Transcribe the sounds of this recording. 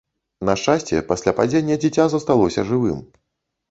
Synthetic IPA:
nɐʂt͡ʂasʲt͡sʲɛpasʲlʲapad͡zʲenʲːɛd͡zʲit͡sʲazɐst̪alˠɔsʲɐʐɨvɨm

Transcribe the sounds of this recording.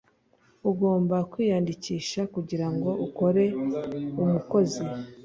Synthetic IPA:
uɡo̞ːmbakwiːjaːndiciːʃakuɟiɾaŋɡo̞ʔuko̞ɾe̞umuko̞zi

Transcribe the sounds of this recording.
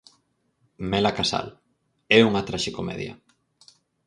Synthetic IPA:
mɛlakasa̰l | ɛuŋɐt̪ɾaʃɪkomɛ̰ðjɐ̰

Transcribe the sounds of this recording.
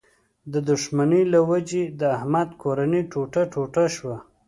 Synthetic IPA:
d̪əd̪ʊʂmanəlawad͡ʒed̪əahmad̪kʰoɾaniʈʰoʈaʈʰoʈaʃwa

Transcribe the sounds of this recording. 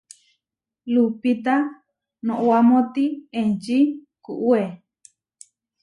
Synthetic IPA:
lupit̪a | nõʔwamõt̪ient͡ʃi | kuʔue

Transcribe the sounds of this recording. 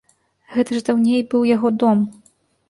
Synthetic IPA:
ɣɛt̪ɐʐd̪awnʲejbɨwjaɣɔd̪ɔm

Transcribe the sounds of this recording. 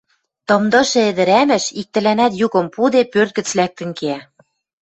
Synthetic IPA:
t̪ɤ̆md̪ɤ̆ʃĕĕd̪ɘ̆ɾæmɘ̆ʃik̚t̪ɘ̆lænæt̪jukɤ̆mpud̪epørt̪̚ɡɘ̆t͡slæk̚t̪ɘ̆nkeæ

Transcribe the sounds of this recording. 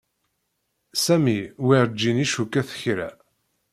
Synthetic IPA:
sæmiwiɾd͡ʒːiniʃukːæθə̥çɾæ̰

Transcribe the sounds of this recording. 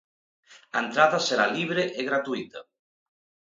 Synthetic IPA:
aent̪ɾaðaseɾa̰liβ̞ɾeʔeɣɾat̪uit̪a

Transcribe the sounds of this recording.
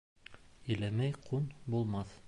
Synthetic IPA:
ɵ̆læmæjqʰunbulˠmɑθ

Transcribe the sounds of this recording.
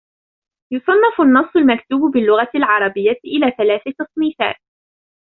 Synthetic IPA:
jʊsˤɑnːɪfʊnːɑsˤːʊlmakt̪uːbbɪlːʊɣalʕɑɾˤɑbɪjːaʔɪlaːθalaːθɪt̪ɨsˤmiːθa̰ːt̪̚

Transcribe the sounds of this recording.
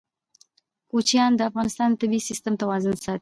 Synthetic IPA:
kut͡ʃijɑnd̪əafɣɑnɪst̪ɑnd̪t̪ɪbisist̪əmt̪awɑzənsɑt̪i̥

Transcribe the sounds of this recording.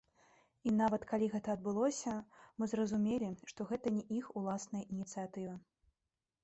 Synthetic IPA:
inavɐt̪kalʲiɣɛt̪ɐːd̪̚bɨlˠɔsʲɐmɨzrɐzumʲelʲiʂt̪ɔɣɛt̪ɐnʲɛʔixulˠasnɐjɐʔinʲit̪sɨjat̪ɨvɐ

